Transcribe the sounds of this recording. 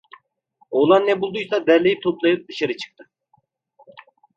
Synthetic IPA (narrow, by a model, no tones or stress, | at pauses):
olˠɑnːɛbulˠd̪ujsɑd̪ɛɾlʲejit̪ʰoplˠɑjɯp̚d̪ɯʃaɾɯt͡ʃʰɨ̥k̚t̪ʰɯ